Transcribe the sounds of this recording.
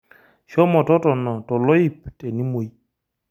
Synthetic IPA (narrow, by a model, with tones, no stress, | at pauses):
ʃɔ˦mɔ˨tɔ˦tɔ˨nɔ˨tɔ˨lɔ˦i˦˨p̚te˨ni˦mo˨j